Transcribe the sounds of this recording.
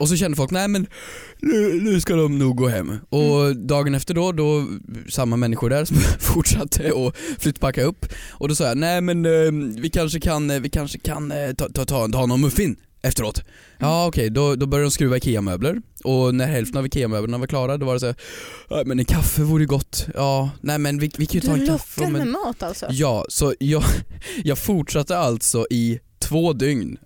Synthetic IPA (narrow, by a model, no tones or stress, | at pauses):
ɔs̬ɔɕɛnd̪əfɔlknɛɪmɛn | nʉnʉ̟skad̪ɔmnuːɡ̚ɡoːɦɛ̰mːɔd̪ɑːɡənɛft̪əɖɔd̪ɔsamːamɛnːɪɧʊɖæɾsɔmfʊʈʂat̪ʰːəɔflʏt̪ːpʰakːaɵpːʔɔd̪ɔsɑːjanæɪmɛnvɪkʰanʂəkʰanvɪkʰanʂə̥kʰant̪ːt̪ʰɑt̪ʰɑt̪ʰɑːnɔmːɵfːɪn | ʔɛft̪əɾoːt̪ | ʔɑːɔkʰɛjd̪ɔd̪ɔbœɾjd̪ɔmskɾʉvaɪkʰɪːamøːbləɾɔnæɾɦɛlft̪ənavkʰeːamøːbləɳavaɾkʰlɑːɾad̪ɔvaɾɛsæɛmɛnɛnkʰafːəvuːɾəjʏɡɔt̪ːʔɑːnɛːmɛnvɪvɪkʰanjɵt̪ʰɑːɛnkʰafːɛmɛnmɑːt̪alsɔ̰jɑːsɔjɑːjɑːɡfʊʈʂat̪ːəalt̪sɔʔɪt̪ʰvoːd̪ʏŋn